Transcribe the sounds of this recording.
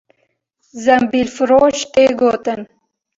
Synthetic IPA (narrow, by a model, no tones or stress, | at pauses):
zɐmbilfuɾoːɕt̪eɡoːt̪ən